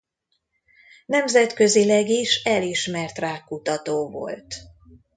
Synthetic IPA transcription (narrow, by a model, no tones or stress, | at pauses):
nɛmzɛt̪kø̞zilɛɡiʃɛliʃmɛrt̪raːkːut̪ɒt̪oːvo̞̰lt̪